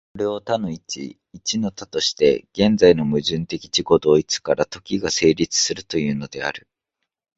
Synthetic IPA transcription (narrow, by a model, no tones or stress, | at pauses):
ko̞ɾe̞o̞t̪ano̞it͡ɕḭː | t͡ɕino̞t̪at̪o̞ɕi̥t̪e̞̰ɡ̥ẽ̞nd͡zaino̞mɯ̟ʑɨ̃nt̪e̞kʲi̥t͡ɕiko̞d̪o̞ːit͡sɨ̥kaɾat̪o̞kʲiɡase̞ːɾʲit͡sɨ̥sɨɾɯ̟t̪o̞jɯ̟ːno̞d̪e̞a̰ɾɯ̟